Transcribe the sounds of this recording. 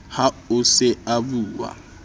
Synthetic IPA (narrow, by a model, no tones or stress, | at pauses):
haʊsɪabuːwa̰